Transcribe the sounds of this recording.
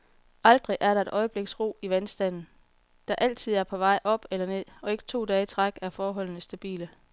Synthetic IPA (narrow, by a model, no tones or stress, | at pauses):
ʔɑ̈ld̥ʁiʔæɐɾ̥ɑ̈e̝d̥ʔɒ̽ɪəb̥le̝ɡ̥sʁo̝̰ːiʋænsd̥æn̰n̩ | d̥ɑ̈ʔæl̰t͡sʰið̞̰ˠæɐpʰɒ̽ʋɑ̈ɪ̰ʔɒ̽b̥elɐne̝ð̰ˠɒ̽e̝ɡ̥ə̥t͡sʰo̝̰ːd̥ɛːət͡sʰʁɑɡ̥æɐfɒːɦɒ̽l̰nəsd̥æb̥ḭːlə